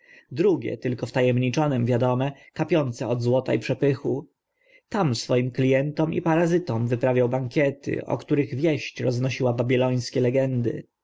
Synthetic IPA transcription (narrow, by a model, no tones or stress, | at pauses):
d̪ɾuɡʲɛ̰t̪ɘlkɔft̪ajɛmɲit͡ʂɔnɛmvʲjad̪ɔmɛ | kapʲjɔnt̪sɛɔd̪zwɔt̪aipʂɛpɘxu | t̪amsfɔjimklʲijɛnt̪ɔmḭpaɾazɘt̪ɔmvɘpɾavʲawbaŋkʲɛt̪ɘ̰ʔɔ̰kt̪uɾɘɣvʲjɛɕt͡ɕɾɔznɔɕiwababʲilɔj̃skʲɛlɛɡɛnd̪ɘ̰